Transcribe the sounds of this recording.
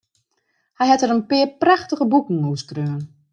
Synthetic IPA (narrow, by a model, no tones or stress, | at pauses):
hɛjɦɛtəɾənpɪəpraxtəɣəbukŋ̩uskrøːən